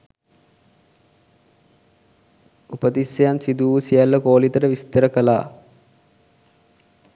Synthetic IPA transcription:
upəd̪isjɐjansid̪uːsijalːɐkoːlit̪ɐɾəʋist̪ɐɾɐkɐla̰ː

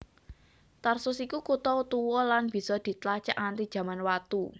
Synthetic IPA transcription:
t̪arsʊsikukut̪ɔut̪uwɔlanb̥i̤sɔd̪̥i̤t̪lat͡ʃaʔant̪id̥ʒ̥ä̤manwat̪u

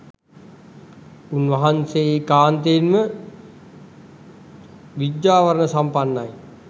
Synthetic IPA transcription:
unʋɐɦanseeːkaːnt̪eːnmə | ʋid̪jaːʋəɾənəsampanːaj

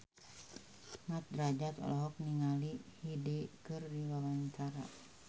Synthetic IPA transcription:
ŋat̪̚dɾad͡ʒat̪lɔɦɔk̚niŋalihidikɨrdilawaɲt͡ʃaɾa̰

